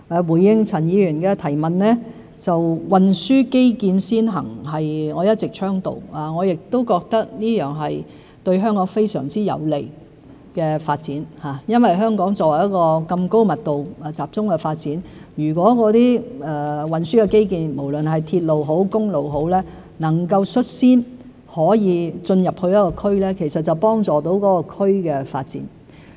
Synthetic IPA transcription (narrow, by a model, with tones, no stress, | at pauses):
ɛː˨˧wuː˨˩jːɪ˧ŋt͡sʰɐ˨˩njiː˨˧jɥyː˨˩nkɛː˧t̪ʰɐ˨˩jmɐ˨nnɛː˥ | t͡sɐ˨wwɐ˨nsyː˥ke˥jkiː˧nsiː˥nɦɐ̰˨˩ŋɦɐ˨jŋɔː˨˧jɐ˥t̚t͡sɪ˨k̚t͡ʃʰœː˥ŋt̪o̰˨waː˨ŋɔː˨˧jɪ˨k̚t̪o˥wkɔː˧k̚t̪ɐ˥k̚niː˥jœː˨˩ŋɦɐ˨j | t̪ɵ˧ɥɦœː˥ŋkɔː˨˥ŋfe˥jsœ̰ː˨˩ŋt͡siː˥jɐ̰˨˧wle˨˩j | kɛː˧faː˧t̚t͡siː˨˥nhaː˨˩jɐ˥nwɐ˨jɦœː˥ŋkɔː˨˥ŋt͡sɔː˧˥wɐ˨˩jɐ˥kɔː˧kɐ˧mko˥wmɐ˨t̚t̪o˨wɛ˨t͡saː˨p̚t͡sʊ˥ŋkɛ˧faː˧t̚t͡siː˨˥njyː˨˩k̬wɔː˨˥kɔː˨˥t̪iː˥ɛː˨˩wɐ˨nsyː˥kɛ˧ke˥jkiː˨nmo˨˩wlɵ˨nɦɐ˨jt̪ʰiː˧t̚lo˨wɦo˨˥wkʊ˥ŋlo˨wɦo˨˥wlɛː˥ | nɐ˨˩ŋkɐ˧wsɵ˥t̚siː˥n | hɔː˨˥jiː˨˧t͡sɵ˧njɐ˨p̚hɵ˧jɐ˥kɔ˧kʰɵ˥ɥlɛː˥kʰe˨˩jsɐ˨t̚t͡sɐ˨˩wpɔː˥ŋt͡sɔː˨˩t̪o˨˥wkɔː˨˦˥kɔ˧kʰɵ˥ɥkɛː˧fa̰ː˧t̚t͡sḭː˨˥n